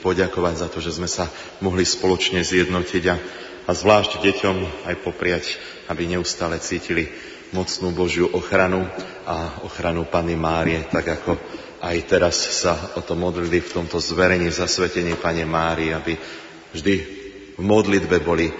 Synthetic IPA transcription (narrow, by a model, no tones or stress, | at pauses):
pɔɟakɔʋaɟzat̪ɔʒɛzmɛsa | mɔɦlispɔlɔt͡ʃɲɛzɪjɛd̪nɔciɟaː | zʋlaːʒɟɟɛcɔmajpɔpɾɪac | abiɲɛust̪aːlɛt͡siːcili | mɔt͡snuːbɔʒjuʔɔxɾanu | aɔxɾanupanimaːɾiɛt̪aɡakɔ | ajt̪ɛɾassaɔt̪ɔmɔd̪lilift̪ɔmt̪ɔzʋɛɾɛɲiːzasʋɛcɛɲiːpaɲɛmaːɾiabi | vʒd̪i | vmɔd̪lid̪bɛbɔli